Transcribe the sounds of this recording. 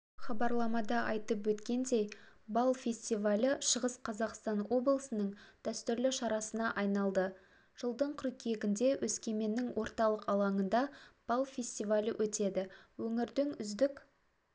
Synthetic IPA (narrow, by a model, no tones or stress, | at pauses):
χɑbɑɾlˠɑmɑd̪ɑʔɑjt̪əp̬wɵt̪kʲe̞nd̪e̞jbɑlˠfʲe̞sʲt̪ivalʲəʃəʁəsqʰɑzɑqst̪ɑnwo̞blˠəsənəɴd̪̥æst̪ʏɾlɪʃɑɾɑsənɑʔɑjnɑlˠd̪ə | ʒ̥əlˠd̪əɴqʰʊɾkʲʰeɡʲɪnd̪e̞wʔɵskʲe̞me̞nːɪŋwo̞ɾt̪ɑlˠəqɑlˠɑɴənd̪ɑb̥ɑlˠfʲe̞sʲt̪ijvalʲəwʔɵt̪e̞d̪ɪwɵŋɪɾd̪ɪŋʏzd̪ɪk